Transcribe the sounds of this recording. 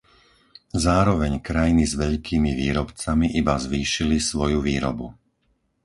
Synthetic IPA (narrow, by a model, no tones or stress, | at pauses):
zaːɾɔʋɛɲkɾajinizʋɛʎkʰiːmiʋiːɾɔpt͡samiʔibazʋiːʃilisʋɔjuʋiːɾɔ̰bu